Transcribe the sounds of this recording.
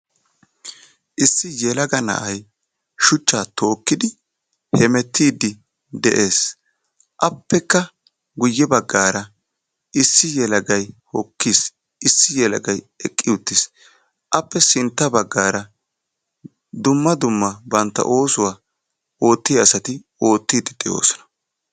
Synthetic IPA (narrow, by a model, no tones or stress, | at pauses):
ʔɪsːɪjɛlɐɡɐnɐ̰ʔɐj | ʃʊt͡ʃːaːt̪o̞ːkːɪd̪ɪ | hɛmɛt̪ʰːiːd̪ɪ | d̪ɛʔeːs | ʔɐpːɛkːɐ | ɡʊjːɛbɐɡːaːɾɐ | ʔɪsːɪjɛlɐɡɐjhɔkːiːs | ɪsːɪjɛlɐɡɐj | ɛkʼːɪjʊt̪ːɪs | ʔɐpːɛsɪnt̪ːɐbɐɡːaːɾɐ | d̪ʊmːɐd̪ʊmːɐbɐnt̪ːɐ̰ʔo̞ːsʊwaː | o̞ːt̪ːɪjɐsɐt̪ɪ | o̞ːt̪ːiːd̪ɪd̪̥ɛʔo̰ːsɔ̥nɐ̥